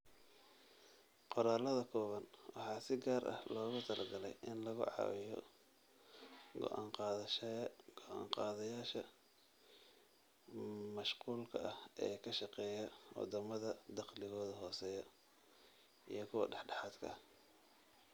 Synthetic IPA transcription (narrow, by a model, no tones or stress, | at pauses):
qɔɾaːlɐðɐkʰɔːβɐnwʔɑħɑːsɪɡaːɾʔɐ̰hlɔːɣʊt̪ʰɐlʔɐɡɐlɛ̰jʔɪnlɐɣʊ̰ʕɑ̰wɪ̰jɔ̰ | ɡɔ̰ʔɑːɴqɑ | ɡ̥ɔʕɑ̰ːŋqɑːðɐjaːʃɐ | mɐʃquːlkʰɐʔɐhɛːkʰɐʃɑqɛːjɐwɑ̰d̪ɐmɐðɐd̪ɑqlɪɣɔːðɐɦɔːsɛːjɐ | ḭjɞkʰʊwɐ̰ɖɛħɖɑħɑːd̪kʰɐ̰